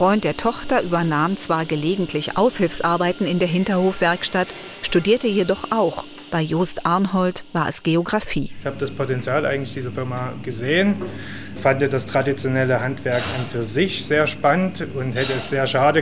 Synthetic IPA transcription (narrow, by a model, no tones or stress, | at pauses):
fʁ̥ɔʏnt̚d̥eːɐtʰɔχtɐʔyːbɐnaːmt͡sv̥aːɐɡəleːɡŋ̩tʰlɪçʔa̰ʊshɪlfsʔaɐbaɪtn̩ɪndeːɐɦɪntɐhoːfv̥ɛɐkʃtat | ʃtudiːɐtəjedɔχʔaʊx | b̥aɪjoːstʔaɐnɦɔltv̥aːɐʔɛ̰sɡ̥eoɡʁafiːɪçhaːbədaspʰotɛnt͡sjaːlʔa̰ɪɡŋ̩lɪçd̥iːzɐfɪɐmaɡ̥əzeːən | fandədastʁ̥adit͡sjonɛləhantv̥ɛɐkʔanfyːɐzɪçz̥eːɐʃpanəntʊnthɛtəɛsz̥eːɐʃaːdə